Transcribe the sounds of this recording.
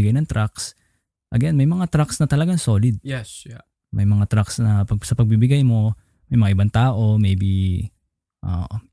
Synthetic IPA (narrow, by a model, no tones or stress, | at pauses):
ɡajnɐŋt̪ɾaks | ʔɐɡɛnmɐjmɐŋat̪ɾaksnɐt̪ɐlɐɡaŋso̞ːlɪd̪̚jɛs | mɐjmɐŋat̪ɾaksnɐpɐsɐpɐɡ̚bibɪɡajmo̞ | mɐjmɐŋaʔɪbant̪aːʔo̞mejbi | ʔo̰ːʔo